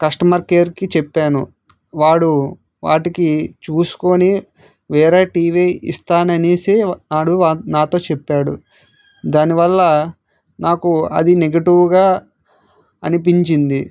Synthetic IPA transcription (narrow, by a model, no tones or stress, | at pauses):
kɐsʈɐmɐɾkeːɾkit͡ʃɛpːaːnṵ | ʋaːɽu | ʋa̰ːʈikit͡ʃuːsu̥koni | ʋɛːɾaːʈiːʋiḭst̪aːnɐneːseːaːɽuanaːt̪o̞ːt͡ʃɛpːaːɽṵ | d̪aːniʋɐlːɐ | naːkuɐ̰d̪ineɡɐʈiʋɡaː | ɐnip̬iɲt͡ʃind̪i